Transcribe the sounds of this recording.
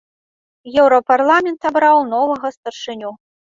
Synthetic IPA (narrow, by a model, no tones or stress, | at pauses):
jɛwɾɐparlˠamʲɛnt̪abɾawnɔvɐɣɐst̪ɐrʂɨnʲu